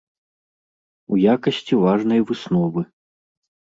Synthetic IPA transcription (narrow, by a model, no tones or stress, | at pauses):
ujakɐsʲt͡sʲivaʐnɐjvɨsnɔvɨ